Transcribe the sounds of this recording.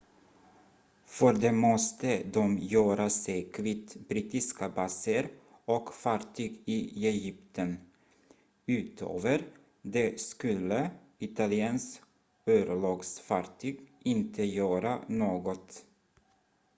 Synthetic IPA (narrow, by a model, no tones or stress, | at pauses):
fœɾd̪ɛmɔst̪əd̪ɔmjœːɾasɛjkʰvit̪bɾiːt̪ɪskabɑsəɾ | ɔkfɑɾʈʰyːɡɪɛjʏpt̪ʰən | ʉ̟ːt̪ʰø̰ːvəɾ | d̪ɛskɵlːə | ɪt̪alɪɛːns | øːɾəɭɑːɡsfɑɾʈʰyːɡɪnt̪ʰəjœːɾanoːɡɔt̪